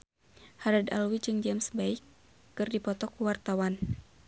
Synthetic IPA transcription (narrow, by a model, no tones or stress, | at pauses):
haɾada̰lwid͡ʒɨŋd͡ʒamsbaikː | ɨrdipɔt̪ɔkuwart̪awan